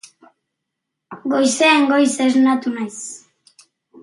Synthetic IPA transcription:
ɡo̞jseːŋɡo̞jseznat̪unajs

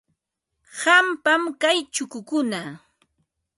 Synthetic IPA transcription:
hampamkajt͡ʃʊkʊkʊna

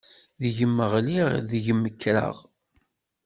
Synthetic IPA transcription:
ðʝəmːəʁliʁðʝəmːəkːɾə̰ʁ

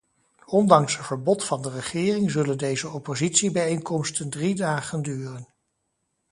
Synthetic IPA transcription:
ɔndɑŋsɦətv̥əɹbɔtfɑndərəχɪːrɪŋzɵləndejzəɔpozitsibɛjejŋkɔmstəndridaːχəndyːrən

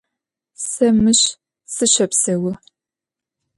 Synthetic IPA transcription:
sɐmɨɕ | sɨɕɐpsɐwɐ

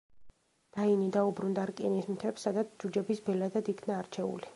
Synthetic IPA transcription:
d̪̥ainid̪aubɾund̪aɾkʼinismt̪ʰɛpsːad̪at̪sʰd͡ʒud͡ʒɛbisbɛlad̪ad̪ikʰnaːɾt͡ʃʰɛṵli

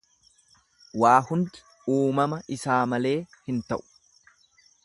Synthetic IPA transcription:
waːhʊnd̪ɪ̥ | uːmɐmɐʔɪsaːmɐle̞ːhɪnt̪ɐʔʊ̥

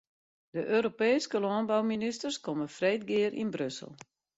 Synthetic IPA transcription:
dəʔøːɾopeːskəlɔənbawministərskɔməfreːtɡɪəɾʔḭnbrøsəl̩ˠ

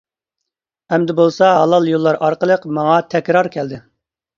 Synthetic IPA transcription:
ɛmd̪ɪbolˠsɑɦɑlˠɑlˠjolˠːɑɾʔɑɾqəlˠəqmɑŋɑt̪ʰɛkʲɾɑɾkʲʰɛld̪ɪ

